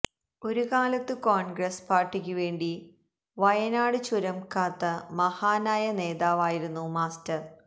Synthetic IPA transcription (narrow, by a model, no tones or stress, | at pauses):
o̞ɾukaːlɐt̪ːɨkoːɳɡɾɐspaːrʈːikʲːuʋe̞ːɳɖi | ʋɐjɐnaːɽɨt͡ɕuɾɐmkaːt̪ːɐmɐhaːnaːjɐneːðaːʋaːjiɾunːumaːstɐr